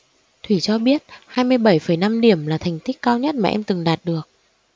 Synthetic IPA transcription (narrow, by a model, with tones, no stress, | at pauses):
t̪ʰwi˧˩t͡ɕɔ˧ɓi˦˥ət̚haː˧jmɨ˧əjɓa˧˩jfə˧˩jna˧mɗi˧˩əmlaː˨˩t̪ʰɛ˨˩jŋ̟t̪ï˦˥k̟̚kːaː˧wɲə˦˥t̚maː˨ʔɛ˧mt̪ɨ˨˩ŋɗaː˨˩t̚ɗɨ˨˩ək̚